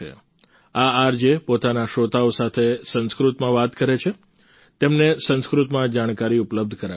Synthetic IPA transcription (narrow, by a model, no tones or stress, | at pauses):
ḛ | aaɾd͡ʒepot̪anaʃot̪aosat̪ʰesə̃nskɾut̪mãʋat̪kəɾet͡ʃʰe | t̪emnesə̃nskɾut̪mãd͡ʒaɽ̃kaɾiʊpləb̚d̪ʱkəɾa